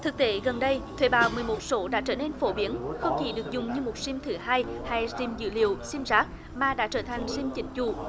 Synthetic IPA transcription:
t̪ʰɨ˨˩k̚t̪e˧˦ɣə˨˩nɗə˧jt̪ʰwḛ˧˩ɓaː˨˩wmɨ˨˩əjmo˨˩t̚so˨˦ɗa̰ː˧˥t͡ɕəː˧˩ne˧nfo˧˦ɓi˨˦ənxə˧wŋ͡mkḭ˧˨˦ɗɨ˨˩ək̚zʊ˨˩ŋ͡mɲɨ˧mo˨˩t̚si˧mt̪ʰɨ˨˩haː˧jha˧˩jzi˧mzɨ̰˧˨lḭ˨˧˨əwsi˧mzaː˦˥k̚ | maː˨˩ɗa̰ː˧˥t͡ɕəː˧˩t̪ʰa˨˩jŋ̟si˧mt͡ɕḭ̈˨˦ŋ̟t͡ɕu˧˩˨

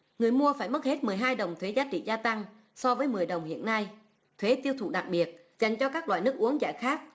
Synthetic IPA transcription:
ŋɨ˨˩əjmu˧əfaː˧˩jmə˦˥t̚he˦˥t̚mɨ˨˩əjɦaː˧jɗə˨˩wŋ͡mt̪ʰwe˨˦zaː˨˦t͡ɕḭ˧˨zaː˧t̪a˧ŋ | sɔ˧vəː˨˦jmɨ˨˩əjɗə˨˩wŋ͡mhḭ˧˨ənːa˧j | t̪ʰwe˨˦t̪i˧əwt̪ʰṵ˧˩ɗa˨˩k̚ɓi˨˩ət̚ | za˨˩jŋ̟t͡ɕɔ˧kaː˦˥k̚laː˧˨jnɨ˦˥ək̚ʔu˨˦əŋza̰ː˧˩jxaː˦˥k̚

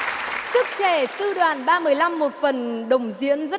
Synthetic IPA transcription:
sɨ˦˥k̚t͡ɕe˧˩t̪ɨ˧ɗwaː˨˩nɓaː˧mɨ˨˩əjla˧mːo˨˩t̚fə˨˩nɗə˨˩wŋ͡mzḭ˧˥ənzə˦˥

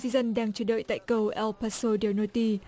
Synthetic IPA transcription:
si˧zə˧nɗaː˧ŋt͡ɕə̰ː˧˩ɗə̰ː˧˨jt̪a̰ː˧˨jkə˧wʔɛ˧lpa˧so˧dɛ˧˩nə˧˩t̪i˧˩

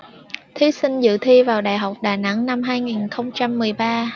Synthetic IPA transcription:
t̪ʰi˨˦sï˧ŋ̟zɨ̰˧˨t̪ʰi˧vaː˨˩wɗaː˨˩jɦa˨˩wk͡p̚ɗaː˨˩na̰˧˥ŋna˧mɦaː˧jŋi˨˩nxə˧wŋ͡mt͡ɕa˧mːɨ˨˩əjɓaː˧

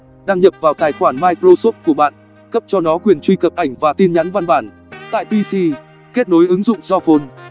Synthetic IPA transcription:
ɗaː˧ŋɲə˨˩p̚vaː˨˩wt̪aː˨˩jxwaː˧˩nmaː˧jkɾo˧so˦˥p̚ku˧˩ɓa̰ː˧˨n | kə˦˥p̚t͡ɕɔ˧nɔ˨˦kwi˨˩ənt͡ɕwi˧kə˨˩p̚ʔa˧˩jŋ̟vaː˨˩t̪i˧nɲa˨˦nva˧nɓaː˧˩n | t̪a̰ː˧˨jp̪i˧si˧ | ke˦˥t̚no˨˦jʔɨ˨˦ŋzʊ̰˧˨ŋ͡mzɔ˧fo˧n

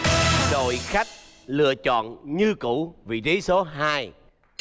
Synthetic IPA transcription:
ɗo̰˧˨jxa˦˥jk̚ | lɨ̰˧˨ət͡ɕɔ̰˧˨nɲɨ˧kṵ˧˥vi˨˩zi˨˦so˨˦ɦaː˧j

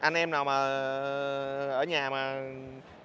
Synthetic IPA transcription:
ʔa˧nʔɛ˧mnaː˨˩wmaː˨˩ | ʔəː˧˩˦ɲaː˨˩maː˨˩

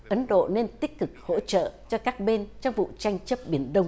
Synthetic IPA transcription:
ʔə˨˦nɗo̰˧˨ne˧nt̪ï˦˥k̟̚kɨ˨˩k̚ho̰˧˥t͡ɕə̰ː˧˨t͡ɕɔ˧kaː˦˥k̚ɓe˧nt͡ɕɔ˧wŋ͡mvṵ˧˨t͡ɕa˧jŋ̟t͡ɕə˦˥p̚ɓi˨˩ənɗə˧wŋ͡m

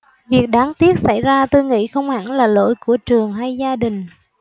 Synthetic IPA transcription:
vi˨˩ək̚ɗaː˨˦ŋt̪i˦˥ət̚sa̰˧˩jzaː˧t̪o˧jŋḭ˧˥xə˧wŋ͡mha̰˧˩ŋlaː˨˩lo̰˧˥˨jku˧˩ət͡ɕɨ˨˩əŋɦa˧jzaː˧ɗï˨˩ŋ̟

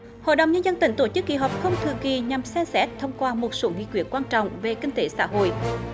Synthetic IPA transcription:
ho̰˧˨jɗə˨wŋ͡mɲə˧nzə˧nt̪ï˧˩ŋt̪o˧˩t͡ɕɨ˦˥k̚ːḭ˧˨ɦɔ˨˩pk͡p̚xə˧wŋ͡mt̪ʰɨ̰˧˨ki˨˩ɲa˨˩msɛ˧msɛ˦˥t̚t̪ʰə˧wŋ͡mkwaː˧mo˨˩t̚so˧˦ŋḭ˧˨kwi˧˩ət̚kwaː˧nt͡ɕɔ̰˧˨wŋ͡mve˨˩kï˧ŋ̟t̪e˧˦sa̰ː˧˥ɦo̰˧˨j

